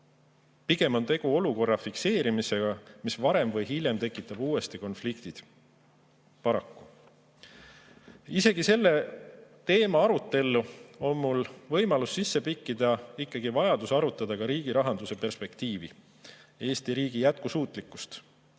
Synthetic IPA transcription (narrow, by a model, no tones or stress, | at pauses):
piɡ̥e̞mo̞nt̪e̞ɡ̥uo̞luko̞rːɑfikse̞ːɾimise̞ɡ̥ɑmisvɑɾe̞mvɤjɦiljemt̪e̞kːˑit̪ːˑɑb̥uːe̞st̪iko̞nflikt̪id̪̥ | pɑɾɑkːu | ise̞ɡ̥ise̞lːe̞t̪e̞ːmɑɑɾut̪ːˑe̞lːuo̞nmulvɤ̞jmɑlusːisːe̞pikːid̪̥ɑikːɑɡ̥ivɑjɑd̪̥usɑɾut̪ːˑɑd̪̥ɑkɑɾiːɡ̥iɾɑɦɑnd̪̥use̞pe̞rspe̞kt̪iːvḭ | e̞ːst̪iɾiːɡ̥ijæt̪̚kusuːt̪ˑlikːˑu̥st̪